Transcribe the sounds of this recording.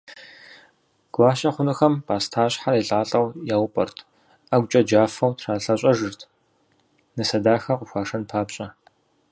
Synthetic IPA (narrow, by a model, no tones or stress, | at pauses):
ɡ̥ʷaːʃɐχʷʊnɨxɐmpʰaːstʰaːɕħaɾiːɬʼaːɬʼɐwjaːwpʼɐ̰rtʰ | aɡʷt͡ʃʼɐd͡ʒaːfɐwtʰraːɬɐɕʼɐʒɨrtʰ | nɨsɐdaːxɐqʷʊxʷaːʂɐnpʰaːpɕʼɐ